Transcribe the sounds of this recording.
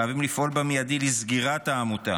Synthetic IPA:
avimlifʔo̞lbamijadilizɡiʁataːmut̪a̰

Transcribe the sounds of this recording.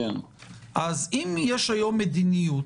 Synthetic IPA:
ʔazimjeʃhajo̞mːed̪inijut

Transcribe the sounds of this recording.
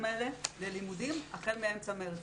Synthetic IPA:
melele̞limudimaχelmeemt͡sameeʁ

